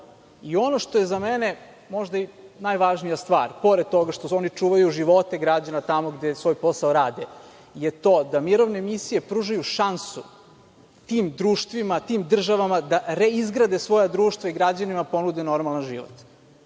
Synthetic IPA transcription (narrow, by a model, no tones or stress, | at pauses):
io̞noʃt̪o̞jezamene | mo̞ʒd̪ainajʋaʒnijast̪ʋa̰ːɾpo̞ɾed̪̚t̪o̞ɡaʃt̪oo̞nit͡ʂuːʋajuʒiʋo̞t̪eɡɾad͡ʑanat̪amo̞ɡd̪esʋo̞ːjpo̞saoɾaːd̪e | jet̪o̞ːd̪amiɾo̞ʋnemisije̞pɾuːʒajuʃansu | t̪iːmd̪ɾuːʃt̪ʋimat̪iːmd̪r̩ʒaʋamad̪aɾeizɡɾad̪esʋo̞jad̪ɾuːʃt̪ʋaiɡɾad͡ʑanimapo̞nud̪ɛno̞ɾmalanʒḭʋo̰t̪